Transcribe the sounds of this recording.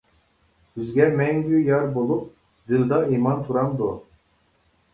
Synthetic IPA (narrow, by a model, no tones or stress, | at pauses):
byzɡʲɛmɛŋɡʲyjɑɾbolˠup̚ | d̪ɨlˠd̪ɑimɑnt̪ʰuɾɑmd̪u